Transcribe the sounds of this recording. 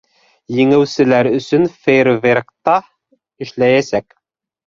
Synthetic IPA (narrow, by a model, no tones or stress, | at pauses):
jɘ̆ŋɘ̆wsɘ̆læɾɵ̆sɵ̆nfejrvʲerkt̪ɑ | ɘ̆ʃlæjæsæk